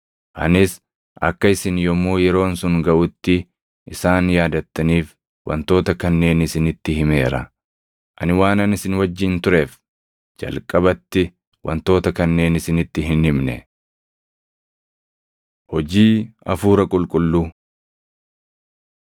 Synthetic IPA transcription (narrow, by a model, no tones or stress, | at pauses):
ʔɐ̰nɪs | ʔɐ̰kːɐɪsɪnjɔmːuːjɛɾo̞ːnsʊŋɡɐʔʊt̪ːɪ | ʔɪsaːnjaːd̪ɐt̪ːɐniːf | wɐ̰nt̪o̞ːt̪ɐkɐnːe̞ːnɪsɪnɪt̪ːɪhɪme̞ːɾɐ̰ | ʔɐ̰nɪwaːnɐnɪsɪnwɐd͡ʒːɪnt̪ʊɾe̞ːf | d͡ʒɐ̰lkʼɐbɐt̪ːɪ | wɐ̰nt̪o̞ːt̪ɐkɐnːe̞ːnɪsɪnɪt̪ːɪɦɪnɪmnɛ̰ | hɔd͡ʒiːɐfuːɾɐkʼʊlkʼʊlːu